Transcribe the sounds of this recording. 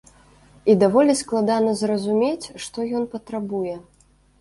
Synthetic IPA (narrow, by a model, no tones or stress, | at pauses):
id̪avɔlʲisklˠad̪anɐzrɐzumʲet͡sʲʂt̪ɔjɔnpɐt̪ɾabujɛ